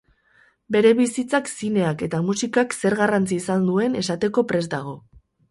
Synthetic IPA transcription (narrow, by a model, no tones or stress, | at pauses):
be̞ɾe̞βisit͡saksine̞ake̞t̪amusikakse̞ɾɣarant͡sisand̪ue̞ne̞sat̪e̞ko̞pɾe̞zd̪aɣ̞o̞